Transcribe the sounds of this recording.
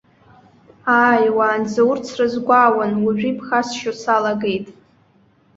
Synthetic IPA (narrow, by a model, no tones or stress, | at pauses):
aːjwaːnd͡zawʊrt͡sʰrɨzɡʷawanwaʒᶣipʰχasʃosalaɡe̞jtʼ